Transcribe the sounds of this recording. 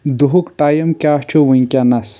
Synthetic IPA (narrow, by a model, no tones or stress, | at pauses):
d̪uɦukʈaːjɐmkʲaːht͡ʃʰoʋuŋkʲanɐs